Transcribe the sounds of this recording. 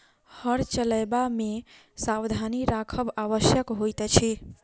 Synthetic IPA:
həɽt͡ʃələjbame | sabd̪ʱaniɾakʰəbaʋəsjəkɦojt̪t͡ʃʰɛ

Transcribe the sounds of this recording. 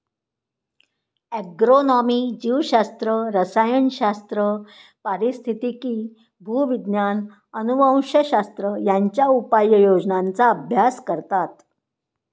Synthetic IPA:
ɛɡɾonɔmiːd͡ʑiʋɕast̪ɾəɾəsajənɕast̪ɾəpəɾist̪ʰit̪ikiː | bʱuʋid̪njan | ənubʱə̃w̃ɕəɕast̪ɾəjaɲt͡ɕjaupajːəjod͡ʑnant͡saːbʱjaskəɾt̪at̪

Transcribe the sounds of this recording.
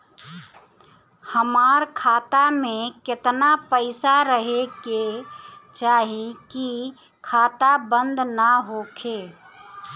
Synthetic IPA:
həmaɾkʰaːt̪amẽkɪt̪napəɪsaɾəɦeke | t͡ʃaːɦiki | kʰaːt̪abə̃nd̪nəɦokʰe

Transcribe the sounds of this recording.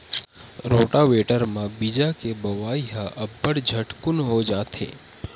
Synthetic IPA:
ɾoʈaʋeʈəɾmãbid͡ʒakebəʋaiɦaʔəbːəɽd͡ʒʱəʈkunɦod͡ʒat̪ʰḛ

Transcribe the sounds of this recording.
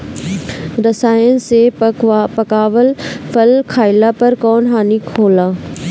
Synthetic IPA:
ɾɐsaːjənsepɐkaːʋəlfɐlkʰaːɪlapɐɾkɔːnɦaːnikʰoːlaː

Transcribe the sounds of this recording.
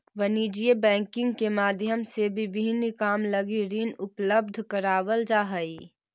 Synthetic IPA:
ʋəniːd͡ʒiebɛ̃ːŋkɪ̃ŋɡ̚kemaːd̪ʱjəmsebʱibiɦnikaːmləɡiɾinʊpləb̚d̪ʱkəɾaːʋəld͡ʒaːɦəi

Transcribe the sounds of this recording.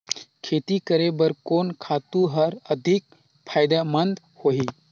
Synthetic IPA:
kʰet̪ikəɾebəɾkoːnkʰat̪ũɦəɾəd̪ʱik̚ | pʰajd̪amənd̪ | hoɦi

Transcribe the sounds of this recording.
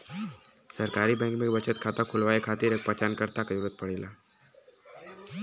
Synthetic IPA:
səɾkaːɾibɛ̃ːŋkmẽbət͡ʃət̪kʰaːt̪akʰʊlʋaːekʰaːt̪iɾeːk̚pət͡ʃaːnkəɾt̪akajuɾət̪̚pəɽeːlaː

